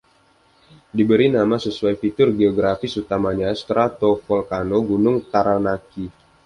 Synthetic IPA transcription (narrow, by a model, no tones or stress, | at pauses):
dibəɾinamasəsuajfit̪ʊrɡeɔɡɾafɪsut̪amaɲast̪ɾʔat̪ofɔlkanoɡunʊŋt̪aɾanaki